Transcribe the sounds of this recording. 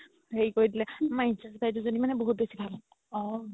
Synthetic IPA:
heɹikoɹidilɛmajnsasbajt̬ʊzonimanɛboɦut̚besibʱal | ɔ

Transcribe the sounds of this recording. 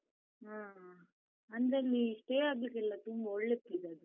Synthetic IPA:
ɦaː | ɐnd̪ɾeliiʂʈeːaːɡlikːɛlːɐt̪umbɐɔɭːet̪ːid̪eɐd̪u

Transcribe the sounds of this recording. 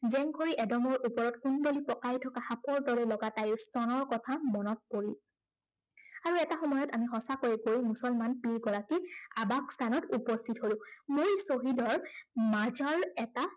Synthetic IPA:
zɛŋɡʱoɹiʔɛdɔmɔɹʔupɔɹɔtkunbelipɔkajtʰɔkahapɔɹdɔɹɛlɔɡatajʊstɔnɔɹkɔtʰamɔnɔt̚poɹi | aɹuɛtaxɔmɔjɔtamixɔsakojɛɡojmusɔlmanpiɹɡɔɹakiabakstʰanɔtupɔstʰitɦolʊ̃mojsoɦidɔɹmazɔɹɛta

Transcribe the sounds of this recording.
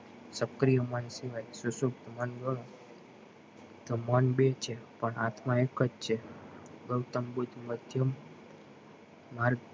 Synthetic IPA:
səkɾijəmənsiʋajsusukt̪ʰmənɡəɽ̃õ | t̪omənbet͡ʃʰepəɳat̪ʰmãekət͡ʃt͡ʃʰeɡəwt̪əmbud̪ʱməd̪ʱjəm | aɾɡ

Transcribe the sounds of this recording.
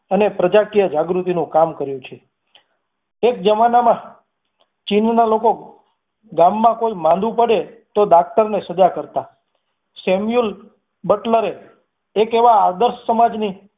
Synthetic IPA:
ənepɾəd͡ʒakijəd͡ʒaɡɾut̪inũkamkəɾjũt͡ʃʰe | ek̚d͡ʒəmanamã | t͡ʃinnaloko | ɡamːãkoimãnd̪ʱũpəɽe | t̪od̪ak̚t̪əɾnesəd͡ʒakəɾt̪a | semjul | bəʈləɾeː | keʋaːd̪əɾssəmad͡ʒni

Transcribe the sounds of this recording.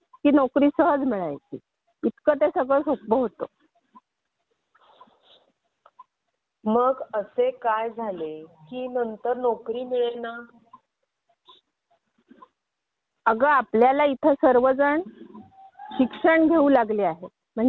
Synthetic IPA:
kiːnɔkɾiːsəɦəd͡zmiɭajt͡sḭ | it̪kət̪esəɡɭəsok̚bəɦot̪o̰ | məɡəsekajd͡zʱalekiːnənt̪əɾnɔkɾiːmiɭena | əɡəapljalait̪ʰəsəɾʋəd͡zəɳ | ɕikʂəɳɡʱeuːlaɡleaɦe | m̤əɳ

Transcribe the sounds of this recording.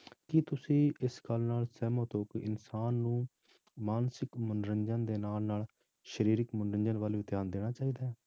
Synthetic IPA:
kɪt̪ʊsĩːʔɪskəlnaːlsɛːmõːt̪oːkɪʔɪnsaːnːũː | maːnsɪkmʊnɾəɲd͡ʒə̃nd̪eːnaːlnaːl | ʃəɾiːɾɪkmʊnɾəɲd͡ʒənʋaːlʋɪːt̪ʰjaːnd̪eːɽ̃aːt͡ʃaːiːd̪aː

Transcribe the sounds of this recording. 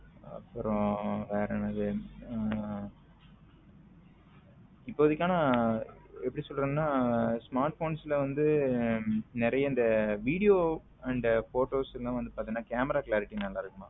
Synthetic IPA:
ɐ̰pːɯɾõʋeːɾɐmɐːðɯ | ɪpːoːɐðɯkːaːnɐ | ɛpːɐɽisɔlɾɯŋnaːsmaːɾʈfoːnsɪlɐʋɐnd̪ɯ | nɪɾɐjɐɪnd̪ɐʋiːɽɪjoː | ɐɳɖfoːʈoːsɛllãːʋɐnd̪ɯpaːɾt̪iŋnːaːkaːmɐɾaːklaːɾɪʈːinɐlːãːɪɾɯkːɯmaː

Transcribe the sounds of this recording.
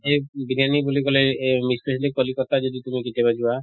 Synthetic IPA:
ebinanibulikɔlemisʈɔslipɔlikɔt̪ad͡ʒod̪it̪umikeʈebad͡ʒiba

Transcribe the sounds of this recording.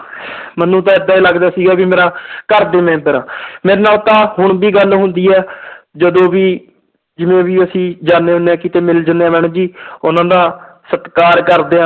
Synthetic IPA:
mənũːt̪̬ãːɪd̪ãːiːləɡd̪aːsiːɡaːbiːmeːɾaːkəɾd̪eːmɛ̃ːpəɾãːmeːɾeːnaːlt̪ãːɦʊɳ̃biːɡəlɦʊ̃nd̪iːɛːd͡ʒəd̪õːbiː | d͡ʒɪmẽːʋiːəsĩːd͡ʒaːnːeːɦʊneãːkɪt̪eːmɪld͡ʒəneːaːmɛːɳ̃ːd͡ʒiːʊnãːd̪aː | sət̪kaːɾkəɾd̪eːãː

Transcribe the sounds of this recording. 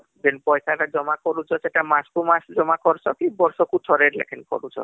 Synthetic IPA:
d͡ʒenpɔjsatad͡ʒɔmakɔɾut͡ʃʰɔseʈamaskumasd͡ʒɔmakɔɾt͡ʃʰɔkibɔɾsɔkutʰɔɾeɾlḛkʰenkɔ̰ɾut͡ʃʰɔ̰

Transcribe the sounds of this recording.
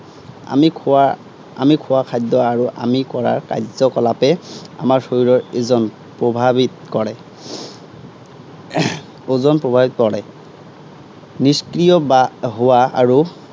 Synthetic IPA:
a̰mikʰa | a̰mikʰʊwakʰajd̪ɔaɹuʔa̰mikɔɹa̰ɹka̰jzɔkɔlapɛa̰maɹsoiɹɔɹezɔn | pɹobʱabit̚ | kɔɹɛ | ozɔnpɹɔbʱabit̚kɔɹɛ | niskɹijɔbaɦʊwaa̰ɹu

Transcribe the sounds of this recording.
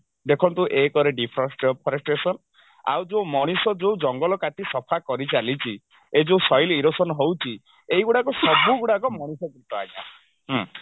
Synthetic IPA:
d̪ekʰɔnt̪uʔekɔɾeɖipʰɔɾɔnsʈpʰɔɾɔsʈɾesɔn | a̰wd͡ʒowmɔɽ̃isɔd͡ʒewd͡ʒɔŋɡɔlɔkat̪isɔpʰakɔɾit͡ʃalit͡ʃʰi | ed͡ʒowsɔjliɾosɔnɔɦowt͡ʃʰi | eiɡuɽakɔsɔbuɡuɽakɔmɔɽ̃isɔkɾit̪ɔa̰j̃ã̰

